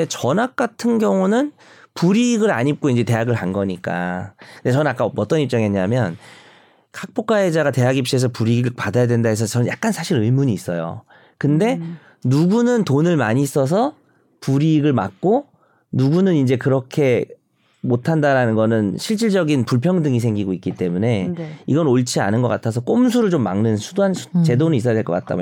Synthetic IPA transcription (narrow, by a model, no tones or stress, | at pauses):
et͡ɕʌnak̚k͈atʰɯnɡjʌŋunɯn | puɾiːɡɯɾa̰ɲip̚k͈oind͡ʑe̞te̞jaɡɯɭɦanɡʌɲik͈a̰ɯndet͡ɕʌnɯnak͈aʌt͈ʌnip̚t͡ɕ͈ʌŋeɲamjʌn | kʰak̚p͈ok͈aɦed͡ʑaɡate̞aɡip̚ɕ͈ies̬ʰʌpuɾiɡɯpadajadwe̞ndaɦesʰʌt͡ɕʌnɯnjak̚k͈ansʰaɕʰiɾɯimuɲiːs͈ʌ̰jo̰ | kɯnde̞ | nuɡunɯntonɯɭmaɲis͈ʌs̬ʰʌ | puɾiɡɯɭma̰k̚k͈o | nuɡunɯnind͡ʑe̞kɯɾʌkʰe̞ | motʰandaɾanɯnɡʌnɯnɕʰiɭt͡ɕ͈iɭd͡ʑʌɡinpuɭpʰjʌŋdɯŋis̬ʰeŋɡiɡoik͈it͈e̞mune̞iɡʌnoɭt͡ɕʰia̰nɯnɡʌk͈atʰas̬ʰʌk͈oms̬ʰuɾɯɭt͡ɕomːa̰ŋnɯnsʰudoɦansʰt͡ɕe̞donis͈ʌjadwekʌk͈a̰t̚t͈a̰